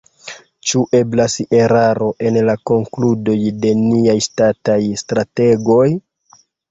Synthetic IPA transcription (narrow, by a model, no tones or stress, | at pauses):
t͡ʃuʔe̞blaseɾaɾo̞ʔe̞nlako̞ŋkludo̞jde̞niajstatajstɾate̞ɡo̞j